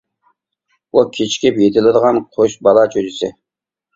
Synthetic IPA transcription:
ukʲʰit͡ʃkʲɪpjet̪ʰɪlɪd̪əʁɑnqʰoʃbɑlˠɑt͡ʃʰød͡ʒɪsɪ

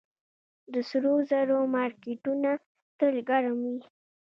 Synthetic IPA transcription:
d̪əsɾozaɾomɑɾkeʈuna | t̪əlɡaɾamwi

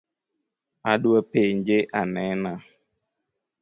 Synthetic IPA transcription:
aɗuəpeɲd͡ʒeʔanɛna

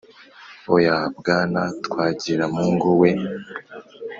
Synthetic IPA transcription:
ojabɡaːnatkwaːɟiɾamuːŋɡowe

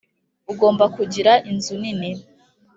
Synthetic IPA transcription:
uɡo̞ːmbakuɟiɾaʔinzuninim

